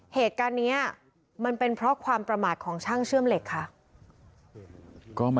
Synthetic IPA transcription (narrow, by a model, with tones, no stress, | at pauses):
heː˨˩t̪̚kaː˧nːiː˦˥ɐ | ma˧npe˧npʰɾɔ˦˥kʰwaː˧mpɾa˧maː˨˩t̪̚kʰɔː˩˦ŋt͡ɕʰaː˥˩ŋt͡ɕʰɯ˥˩əmle˨˩kʰːa˦˥ʔ | kɔː˥˩m